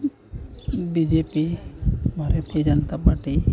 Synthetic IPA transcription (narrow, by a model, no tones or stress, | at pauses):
bid͡ʒepibʱaɾat̪ʰid͡ʒɔnt̪apaɾʈi